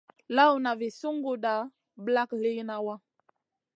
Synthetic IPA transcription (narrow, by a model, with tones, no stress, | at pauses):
la˦wna˨vi˨su˦ŋɡu˨da˨ | bla˦kle˦jna˦wa˦